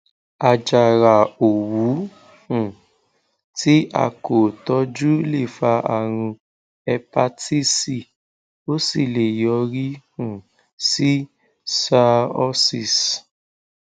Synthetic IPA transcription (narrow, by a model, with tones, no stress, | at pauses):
a˧d͡ʒa˨ɾa˨o˨wu˨˦ | hũ˨ | ti˦a̰˦˧ko˨tɔ˧˦d͡ʒu˦le˦˨fa˧a̰˨ɾ̃ũ˧ | ɛ˧pa˧ti˦si˨ | o˦si˦˨le˨jɔ˧ɾi˦hũ˨ | si˦ | sa˦˧˦ɔ˦si˦˨s